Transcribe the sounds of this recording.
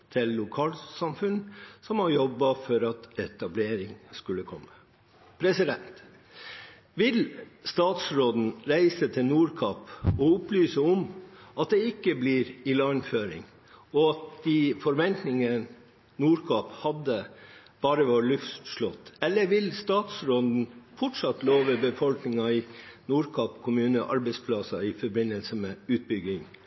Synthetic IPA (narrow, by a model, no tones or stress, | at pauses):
t̪ʰɪlːʊkʰɑːlsɑmfʉnsɔmɑɾjɔbːɑfɔɾɑt̪ɛt̪ɑbleːɾɪŋskʉlːəkʰɔ̰mːə | pʰɾɛsɪd̪ɛnt̪ | ʋɪlst̪ɑːt̪sɾoːd̪n̩ɾæɪsət̪ʰɪlnuːɾkʰɑpɔʊplyːsəɔmɑt̪̚d̪ɛɪkːəbliːɾɪlɑnføːɾɪ̰ŋ | ɔɑt̪d̪ɪfɔɾʋɛnt̪nɪŋə | nuːɾkʰɑphɑd̪ə | b̥ɑːɾəʋɑːɾlʉftt̪ʂɭɔt̪ːɛlːəʋɪlst̪ɑːt̪sɾoːd̪n̩fɔʈʂɑt̪loːʋəbəfɔlknɪŋɑɪnuːɾkʰɑpkʰʊmʉːnəʔɑ̰ɾbɛɪspʰlɑsɑɪfɔɾbɪnəlsəmɛʉːt̪̚bʏɡɪŋ